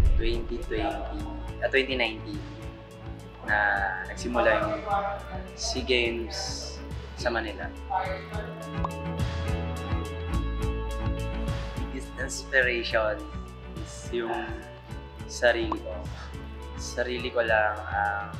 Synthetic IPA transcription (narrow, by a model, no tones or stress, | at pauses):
t̪wɛnt̪it̪wɛnt̪iɐt̪wɛnt̪inajnt̪in | nɐnɐɡsɪmʊlajʊŋ | siɡejms | sɐmɐnɪla̰ | d̪ɪst̪ɛnspɛɾɛjʃon | sjʊŋ | sɐɾiːlɪko | sɐɾiːlɪkolaŋʔɐm